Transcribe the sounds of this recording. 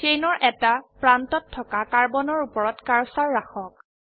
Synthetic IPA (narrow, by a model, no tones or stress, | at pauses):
tejnɔɹʔɛtapɹantɔtʰːɔkakaɹbɔnɔɹupɔɹɔtkaɹsaɹːaxɔk̚